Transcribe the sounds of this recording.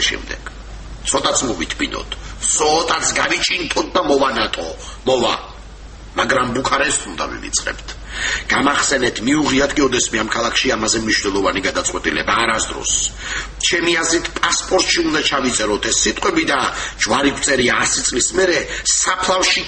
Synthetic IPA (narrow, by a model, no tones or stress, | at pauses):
ʃɛ̰md̪ɛ̰ɡ̥ | t̪sʰɔt̪ʼat̪sʰmɔvit̪ʰbinɔ̰t̪ʰsɔːt̪ʼat̪sʰɡavit͡ʃʼint̪ʼɔt̪̚ʰd̪amɔvanat̪ʼɔ | mɔva̰ | maɡɾambukʰaɾɛst̪ʰund̪a̰vḭvḭt̪sʼqʼɛ̰b̥t̪ʰ | ɡ̥amaχsɛnɛt̪ʰmiuʁiat̪ʰkʼiɔd̪ɛsmiamkʰalˠakʰʃiamazɛmniʃnɛlˠɔvaniɡad̪at̪sʼqʼwɛt̪ʼilɛ̰baːɾasd̪ɾɔ̰st͡ʃʰɛmiazɾit̪ʰpʼaspʼɔɾt̪ʼʃiund̪at͡ʃʰavit̪sʼɛɾɔt̪ʰɛsːit̪ʼqʼwɛbid̪ad͡ʒwaɾikʰt̪sʼɛɾiaːsit̪sʼlismɛɾɛsapʰlˠafʃi